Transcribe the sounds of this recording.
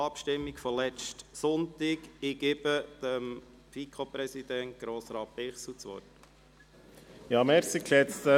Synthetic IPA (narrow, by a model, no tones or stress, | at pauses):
ɑpʃtɪmːikfɔlɛt͡ʃtsʊnt̪ɪkɪɡebəd̪̥əm | fikʰopɾɛsid̪ɛnt̚ɡ̥ɾoːsɾɑːt̚pɪχsut͡sʋɔ̰t | jɑːmɛɾsikʃɛt͡st̪ə